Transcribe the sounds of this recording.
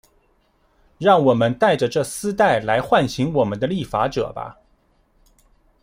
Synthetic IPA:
ɻɑ˥˩ŋwɔ˨˩mə˦nt̪a˥˩ɪʈ͡ʂə˩ʈ͡ʂɤ˥˩sɹ̩˥t̪a˥˩ɪla˧˥ɪxwa˥˩nɕi˧˥ŋwɔ˨˩mə˦nd̪ə˧li˥˩fa̰˧˥ʈ͡ʂɤ̰˨˩bɐ̰˦

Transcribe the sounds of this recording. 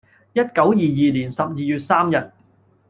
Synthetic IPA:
jɐ˥t̚kɐ˨˥wjiː˨jiː˨liː˨˩nsɐ˨p̚jiː˨jyː˨t̚saː˥mjɐ˨t̚

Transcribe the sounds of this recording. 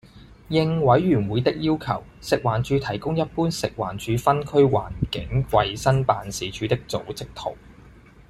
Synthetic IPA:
jɪ˧ŋwɐ˨˥jɥyː˨˩nwuː˨˧jt̪ɪ˥k̚jiː˥wkʰɐ˨˩wsɪ˨k̚waː˨˩nt͡ʃyː˨˧t̪ʰɐ˨˩jkʊ˥ŋjɐ˥t̚puː˥nsɪ˨k̚wa̰ː˨˩nt͡ʃʰyː˨˧fɐ˥nkʰɵ˥ɥwa̰ː˨˩nkɪ˨˥ŋwɐ˧jsɐ˥npaː˨nsiː˨˥t͡ʃʰyː˨˥t̪ɪ˥k̚t͡so̰˨˥wt͡sɪ˥k̚t̪ʰo̰˨˩w

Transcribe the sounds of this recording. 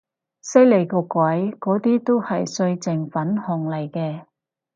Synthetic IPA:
sɐ˥jle˨˩jkɔː˧kʷɐ˨˥jkɔː˨˥t̪iː˥t̪o˥whɐ˨jsɵ˧ɥt͡sɪ˨ŋfɐ˨˥nhɔ˨˩ŋlɐ˨˩jkɛː˧

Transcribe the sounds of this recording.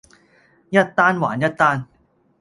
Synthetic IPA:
ja˦˥t̚t̪ːaː˥nwaː˨˦nja˥t̚t̪ːaː˥˩n

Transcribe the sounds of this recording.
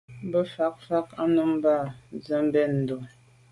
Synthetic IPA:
m˦bə˦fa˦k̚fa˦k̚a˦nə˦m˦ba˦˨zə˨˦m̩˦bɛ˦˨n̩˨do˨

